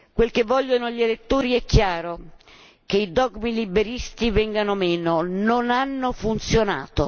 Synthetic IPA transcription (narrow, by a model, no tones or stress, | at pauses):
kwelkevːɔʎːonoʎelet̪ːoːɾiɛkːjaːɾo | keid̪ɔɡmilibeɾist̪ivɛŋɡanomɛːnononanːofunt̪sjona̰ːt̪o